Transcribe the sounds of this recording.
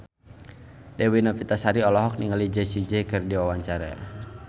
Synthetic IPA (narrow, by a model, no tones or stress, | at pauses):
dɛwinapit̪asaɾiɔlɔɦɔk̚niŋalid͡ʒɛsid͡ʒɛkɨrdiwawaɲt͡ʃaɾa̰